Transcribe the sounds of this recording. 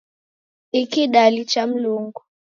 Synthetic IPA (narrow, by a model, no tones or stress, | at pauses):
ikiɗalit͡ʃam̩luŋɡu